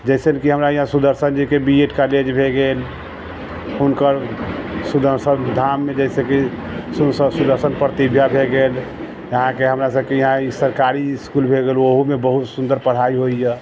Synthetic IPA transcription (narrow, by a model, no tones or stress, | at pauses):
d͡ʒɛɪsenkiɦəmɾajiɦãsud̪əɾsənd͡ʒikebieʈkaled͡ʒbʱeɡel | hunkəɾsud̪əɾsənd̪ʱamːed͡ʒɛɪseki | susəsud̪əɾsənpɾət̪ibʱjabʱeɡel | jəɦãkeɦəmɾasəbkejiɦãisəɾkaɾiskulbʱeɡeluoɦumebəɦut̪sund̪əɾpəɽ̤aiɦoijɛ